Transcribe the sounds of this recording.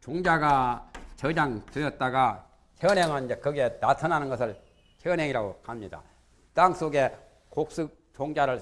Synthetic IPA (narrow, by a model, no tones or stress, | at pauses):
t͡ɕoŋd͡ʑaɡat͡ɕʌd͡ʑaŋtɯʌt̚t͈aɡa | kʰʌnɦeŋɯnid͡ʑekɯɡe̞natʰʌnɦanɯnɡʌsʰɯɭ | kʰʌnɦeŋiɾaɡohamɲida̰ | taŋs͈oɡe̞ | kok̚s͈ɯk̚t͡ɕoŋd͡ʑaɾɯɭ